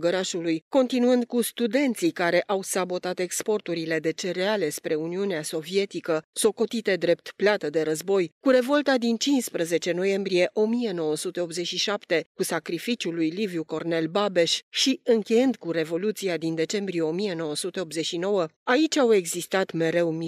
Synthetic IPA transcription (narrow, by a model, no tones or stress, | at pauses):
ɡəɾaʃulujko̞nt̪inuɨnd̪̚kust̪ud̪e̞nt̪sikaɾe̞ʔawsabo̞t̪at̪e̞kspo̞rt̪uɾile̞d̪e̞t͡ʃe̞ɾeale̞spɾe̞uniuneaso̞vie̞t̪ikəso̞ko̞t̪it̪e̞d̪ɾe̞p̚t̪plat̪əd̪e̞ɾəzbo̞jkuɾe̞vo̞lt̪ad̪int͡ʃinspɾəze̞t͡ʃe̞no̞je̞mbɾije̞ʔo̞mije̞no̞wəsut̪e̞o̞pze̞t͡ʃʃiʃapt̪e̞kusakɾifit͡ʃulujlivjuko̞rne̞lbabe̞ʃʃiɨŋkʲe̞jɨnd̪kuɾe̞vo̞lut̪siad̪ind̪e̞t͡ʃe̞mbɾije̞o̞mije̞no̞wəsut̪e̞opze̞ʃino̞wəait͡ʃʲawe̞ɡzist̪at̪me̞ɾe̞wm